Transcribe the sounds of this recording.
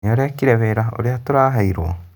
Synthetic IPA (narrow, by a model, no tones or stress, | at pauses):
oɾeakiɾeβeɾao̰ɾiatoɾaːɦaiɾwo̰